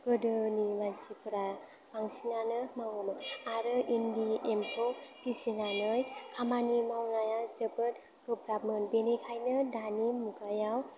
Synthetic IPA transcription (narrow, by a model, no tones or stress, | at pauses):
ɡɯdɯnimansipʰɯɾa | paŋsinanɯmawɯmɯaɾɯʔindiempʰotisenanɯjkʰamanimawnajazɯbɯt̚ | kʰɯbɾapmɯnbenekʰajnɯdanimuɡajaw